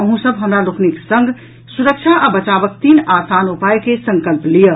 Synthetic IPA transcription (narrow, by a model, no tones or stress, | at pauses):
əɦũsəbɦəmɾalokniksə̃ŋɡ | suɾək̚t͡ʃʰaʔabət͡ʃabək̚t̪inasanupajkesə̃ŋkəlplijə